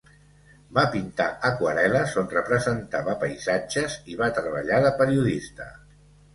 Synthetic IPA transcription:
bapint̪a̰ʔəkwəɾɛləzonrəpɾəzənt̪aβəpəjzad͡ʒəziβat̪ɾəβə̰ʎaðəpəɾiuðist̪ə̰

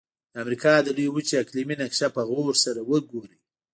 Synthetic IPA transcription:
d̪əamɾikɑd̪əlujwut͡ʃeakliminakʃapəɣoɾsaɾawəɡoɾi

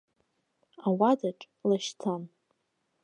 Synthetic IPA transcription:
awadaʈ͡ʂʼ | laʃtʰan

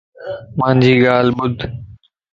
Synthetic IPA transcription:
mãnd͡ʑiːɠaːlɓʊd̪ʱ

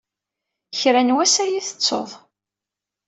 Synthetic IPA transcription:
çɾænwæsæjiθə̥t͡sːo̰ðˤ

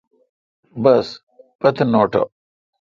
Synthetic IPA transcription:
bɐs | pɐt̪ʰnoːʈo̰

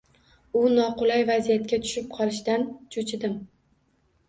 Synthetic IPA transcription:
ʊnɒqʊlajvazijat̪̚kʲat̪ʰʊ̥ʃɪp̚qʰɒlˠɪʃd̪ant͡ʃʰʊt͡ʃʰɪd̪ɪm

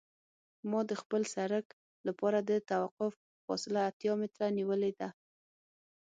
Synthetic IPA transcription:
mɑd̪əxpəlsaɾək | lapɑɾad̪ət̪awaqʊf | fɑ̰sɪlaːt̪jɑmɪt̪ɾaniwəled̪a

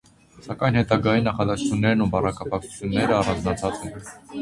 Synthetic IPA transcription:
sɑkɑjnhɛt̪ɑɡɑjinɑχɑd̪ɑst͡ʃʰunːɛɾnubɑrɑkʰɑpɑk̚t͡sʰu̥t͡s̪ʰjunːɛɾəɑrɑnd͡znɑt͡sʰɑt͡sɛn

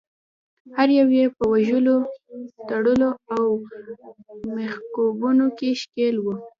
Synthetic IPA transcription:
haɾjawjepəwaʒəlot̪aɽəloaw | mexkobunokeʃkelwu

